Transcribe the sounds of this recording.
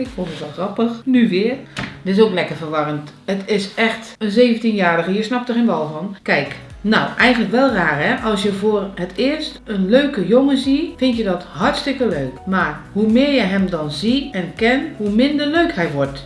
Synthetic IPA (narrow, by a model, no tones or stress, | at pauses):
ɪkfonətʋɛlˠxrɑpəxnyʋɪərdɪs̬oːklɛkərvərʋɑrənt | ətʰɪsɛxtənzeːvəntinjaːdəɣəjəsnɑp̚təxenʋɔlˠvɔnkɛjk | nawʔɛjɣənləkʋɛlˠraːrhɛʔɑlˠsjəvʊːərhətʰɪːərstənløɥkəjoŋəzifɪntjədɔthartstɪkəløːkmaːrhumɪːɹjəɦɛmdɔnziɛnkɛnhumɪndərløɥkhɛjʋɔrt